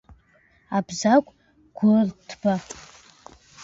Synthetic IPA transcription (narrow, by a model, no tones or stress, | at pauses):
abzakʷʼ | ɡ̥ʷʊrtʰb̥a